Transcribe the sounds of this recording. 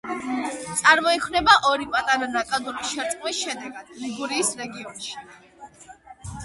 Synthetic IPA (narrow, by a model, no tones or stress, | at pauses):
t̪sʼaɾmɔikʰwnɛbaʔɔɾipʼat̪ʼaɾanakʼad̪uɾisʃɛɾsʼqʼvisʃɛd̪ɛɡad̪̥liɡuɾiːsɾɛɡiɔnʃi̥